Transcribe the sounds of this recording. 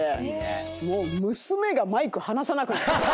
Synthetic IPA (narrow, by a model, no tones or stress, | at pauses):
e | moːmɯ̟sɨme̞ɡamaikɯ̟hanasanakɯ̟nat